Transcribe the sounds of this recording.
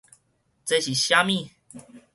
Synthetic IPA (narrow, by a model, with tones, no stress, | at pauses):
t͡sa˧˩ɕi˨˩ɕja˦mi˥˨